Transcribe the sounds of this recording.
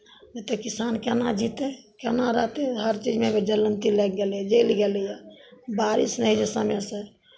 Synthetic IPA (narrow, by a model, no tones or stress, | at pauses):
net̪ɔkisankɛnad͡ʒit̪ekɛnaɾəɦt̪eɦəɾt͡ʃid͡ʒmebed͡ʒələnt̪ilɛk̚ɡeljɛd͡ʒelɡelijɛbaɾḭsnəɦid͡ʒəsəmɛsəɾ